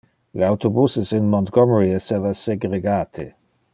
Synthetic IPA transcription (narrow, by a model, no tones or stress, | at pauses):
leawt̪obusɪsɪnmɔ̃nt̪ɡ̥ɔmɹiɛsɛvaseɡʁeɡaːt̪ʰḛ